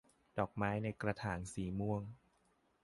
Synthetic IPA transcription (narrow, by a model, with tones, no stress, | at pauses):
dɔː˨˩k̚maː˦˥jna˧jkɾa˧t̪ʰaː˩˦ŋsiː˨˩˦mu˧əŋ